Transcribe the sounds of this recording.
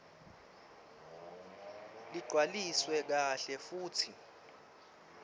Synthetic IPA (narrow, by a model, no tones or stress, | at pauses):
liɡ͡ǀʱwaliswɛk̬aɬɛfuːtʰi